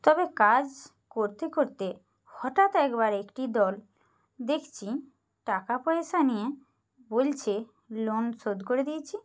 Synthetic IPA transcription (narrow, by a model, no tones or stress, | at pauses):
t̪ɔbekad͡ʑ | koɾt̪ekoɾt̪e | hɔʈat̪ɛkbaɾekʈid̪ɔl | d̪ekʰt͡ɕʰi | ʈakapɔjeʃanije | bolt͡ɕʰe | lonsod̪koɾed̪ijet͡ɕʰi